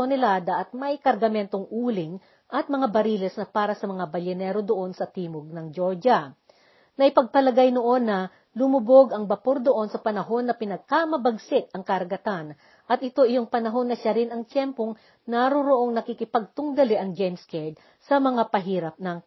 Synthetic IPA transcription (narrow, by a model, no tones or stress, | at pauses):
onɛlad̪ɐʔɐt̪̚mɐjkɐɾɡɐmɛnt̪o̞ŋʔuːlɪŋ | ʔɐt̪̚mɐŋabɐɾiːlɛsnɐpaːɾɐsɐmɐŋabɐlɛnɛɾod̪oʔo̞nsɐt̪iːmoɡ̚nɐŋd͡ʒoɹd͡ʒɐ | nɐʔɪpɐɡ̚pɐlɐɡajno̞ʔo̞nːɐ | lʊmʊbo̞ɡɐŋbɐpoɾd̪o̞ʔo̞nsɐpɐnɐɦo̞nːɐpɪnɐɡ̚kamɐbɐɡsɪt̪̚ɐŋkɐɾɡɐt̪an | ʔɐt̪̚ʔɪt̪o̞ʔɪjo̞ŋpɐnɐɦo̞nːɐʃaɾɪnɐŋt͡ʃ̪jɛmpo̞ŋ | naɾoɾoʔo̞ŋnɐkikɪpɐɡ̚t̪ʊŋd̪ɐliʔɐŋd͡ʒɛjmskɛd̪̚ | sɐmɐŋapɐɦiːɾɐp̚nɐŋ